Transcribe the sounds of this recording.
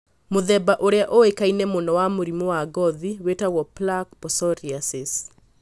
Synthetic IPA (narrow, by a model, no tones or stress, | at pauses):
moðɛbaʔoɾeaʔowekainɛmonɔwamoɾimowaɡɔðiwetawɔplak̚pɔsɔɾiasɪs